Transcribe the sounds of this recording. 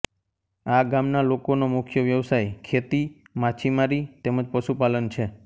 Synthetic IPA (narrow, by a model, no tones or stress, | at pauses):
aɡamnalokonomʊkʰjəʋjəʋsajkʰet̪i | mat͡ʃʰimaɾit̪eməd͡ʒpəʃupalənt͡ʃʰe